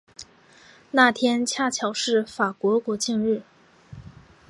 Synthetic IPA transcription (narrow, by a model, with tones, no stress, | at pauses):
na˥˩t̪ʰjɛ˥nt͡ɕʰja˥˩t͡ɕʰjɑ˨˩ʊʂɻ̩˥˩fa˨˩kwɔ˧˥kwɔ˧˥t͡ɕi˥˧ŋɻɻ̩˥˩